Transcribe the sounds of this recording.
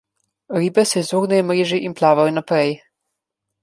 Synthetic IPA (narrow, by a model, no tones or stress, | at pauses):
ɾiːbɛsɛzoːɡnɛjɔmɾeːʒiʔinplaːʋajɔnapɾɛj